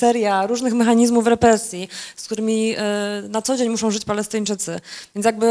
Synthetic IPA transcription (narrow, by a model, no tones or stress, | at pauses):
ɛɾjaɾuʐnɘxmɛxaɲizmufɾɛpɾɛsʲjiskt̪uɾɘmʲinat̪sɔd͡ʑeɲmuʂɔ̃w̃ʐɘt͡ɕpalɛst̪ɨɲt͡ʂɘt̪sɘvʲjɛnt̪jaɡ̚bɘ